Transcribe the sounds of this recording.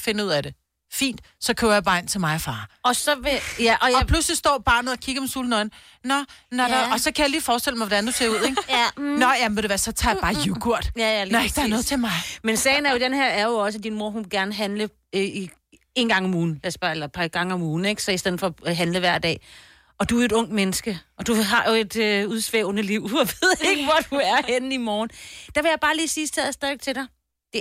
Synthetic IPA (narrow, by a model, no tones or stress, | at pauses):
fe̝nuð̞̰ˠæd̥e̝ | fḭːnd̥ | sɒ̽kʰøɐjab̥ɑ̈ːnt͡sʰe̝lmɑ̈ɪɒfɑ̈ːɒ̽sɒ̽ʋejæʔɒjɒpʰluslisd̥ɒ̰ːb̥ɑ̈ːnð̩ˠɒ̽kʰiɡ̥əmesuːlnɒ̽ɪn̩ | nɒ̽nɒɑɒ̽sɒ̽kʰæjaliːfɒːsd̥elmaɪʋɒ̽d̥ænd̥use̝ɐuð̞̰ˠeɡ̥nɒ̽jæmmʋedeʋæːɐsɒ̽t͡sʰɑ̈ːjb̥ɑ̈ːjukʰuɐ̰d̥nd̥ɑ̈æɐnɔ̽ːðˠt͡sʰe̝lmɑ̈ɪmensɛːɪnæɐjo̝d̥enheɐ̰æɐjo̝ɒ̽s̬əd̥inmo̝ɐ̰ɦunʋeɡ̥æɐnəɦænlə | i | e̝ːn̩ɡ̥ɑ̈ŋɒmuːn̩læsb̥æelɐpʰɑ̈ɡ̥ɑ̈ŋəɒ̽muːn̩eɡ̥sɒ̽isd̥eð̰̩ˠfɒ̽ːɦænləʋæɐ̰d̥ɛ̰ː | ɒ̽d̥uæe̝ɾ̥ɔ̽ŋ̰d̥menəsɡ̥əɒ̽d̥uɦɑ̈jo̝e̝d̥øuð̞ˠsʋeʊnəliʊ̰ɒʋeð̰ˠe̝ɡ̥əʋɒd̥uæɐhenəimɒːn̩d̥ɑ̈ʋe̝jɑ̈ɪb̥ɑ̈ːliːsiːsd̥ʰɛð̰ˠɐsd̥ɛðʋeɡ̥̚t͡sʰe̝ɾɑ̈ɪ | d̥e̝